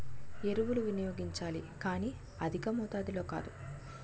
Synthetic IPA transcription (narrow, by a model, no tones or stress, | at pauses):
e̞ɾuʋuluʋinɐjo̞ːɡiɲt͡ʃaːlikaːniː | ɐd̪ʱikɐmuːt̪aːd̪ilo̞ːka̰ːd̪u